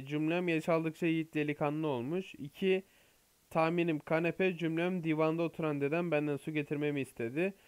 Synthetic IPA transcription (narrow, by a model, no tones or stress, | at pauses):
d͡ʒymlʲæmjaʃalˠd̪ɯk̚t͡ʃʰaijit̪lʲelʲikʰanˠɯo̞lˠmuʃicʰi | t̪ʰaːminimkʰanepʰɛd͡ʒymlʲæmd̪iːvannd̪aot̪ʰuɾand̪e̞d̪ænbænd̪ænsuɟe̞t̪ʰiɾme̞miːst̪ʰe̞d̪ɪ